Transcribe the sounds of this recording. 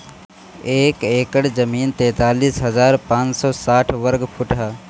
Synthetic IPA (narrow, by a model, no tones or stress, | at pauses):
eːkeːkəɽd͡ʒəmiːnt̪ɛ̃ːt̪aːliːsɦɐzaːɾpãːt͡ʃsɔːsaːʈʰʋəɾɡpʰʊʈɦa